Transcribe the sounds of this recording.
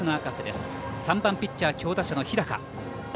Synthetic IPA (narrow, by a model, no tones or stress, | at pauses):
ɯnoakased̪esɨ̥ | sãmbãmpʲit͡ɕt͡ɕːaːkʲo̞ːd̪aɕano̞çiɾaka̰